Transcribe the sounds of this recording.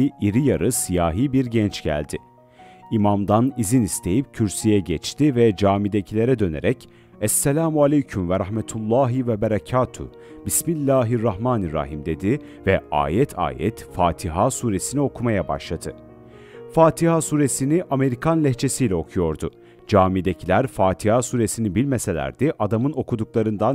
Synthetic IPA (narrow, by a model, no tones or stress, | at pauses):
iʔiɾijaɾɯsijaːɦiːbiɾɟɛnt͡ʃɟ̥æ̰lʲd̪ɪ | imamd̪anizinist̪ʰe̞jip̚cʰyɾsijɛɟɛt͡ʃt̪ʰivɛd͡ʒaːmid̪e̞cʰilʲe̞ɾɛd̪ø̞ne̞ɾɛc | ɛsːɛlʲaːmualʲejcʰymvɛɾahmɛt̪ʰulˠːaːɦivɛbɛɾacʰaːt̪ʰṵ | bismilʲːaːɦiɾːaɦmaːniɾa̰ɦimd̪e̞d̪i | vɛa̰ːjɛt̪ʰa̰ːjɛ̰t̪faːt̪ʰiɦaːsuːɾe̞sinio̞kʰumajaba̰ʃlˠad̪ʰɯ | faːt̪ʰihasuːɾesiniʔame̞ɾikʰanlʲɛçt͡ʃʰe̞sijlʲɛo̞kʰujo̞ɾd̪ʊ | d͡ʒaːmid̪ecʰilʲæɾfaːt̪ʰihaːsuːɾe̞sinibilʲmese̞lʲæ̰ɾd̪ɛʔad̪amɯno̞kud̪uklˠaɾɯnd̪an